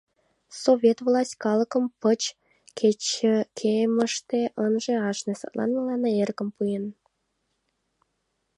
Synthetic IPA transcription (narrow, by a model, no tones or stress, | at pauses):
sovʲet̪vlɑsʲtʲkɑləkəmpət͡ɕ | kʰet͡ɕːə̆kʰeməʃt̪eʔənʒĕɑʃnesɑ̰t̪lʔɑ̰nməlɑnɑerkə̆mpujen